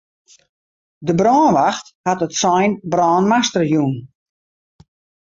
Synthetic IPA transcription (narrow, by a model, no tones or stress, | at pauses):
dəbrɔːnʋaxthatətsɔjnbrɔːnmastərjun